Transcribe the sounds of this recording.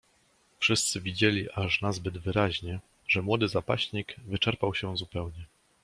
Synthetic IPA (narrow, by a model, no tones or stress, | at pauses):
fʂɘst̪sɘvʲid͡ʑelʲiʔaʐnazbɘd̪vɘɾaʑɲɛ | ʐɛmwɔd̪ɘzapa̰ɕɲiɡvɘt͡ʂɛɾpawɕɛzupɛwɲɛ